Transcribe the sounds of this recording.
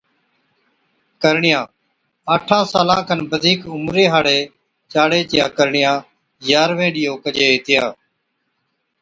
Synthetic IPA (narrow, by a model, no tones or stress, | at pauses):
kəɾɳɪjãː | aːʈʰãːsaːlãːkʰənbəd̪ʱiːkʊmɾeːɦaːɽeː | t͡ʃaːɽeːt͡ʃjaːkəɾɳɪjãː | jaːɾʋẽːɗɪjoːkəd͡ʒeːt̪ɪjaː